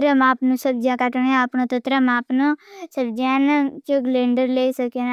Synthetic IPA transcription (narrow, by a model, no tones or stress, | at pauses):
ɾəmaːpnũːsəb̚d͡ʒãːkəʈɳẽəpnõːt̪ət̪ɾəmaːpnõːsəbd͡ʒɛːnt͡ʃəɡleːɳɖəɾleisəbken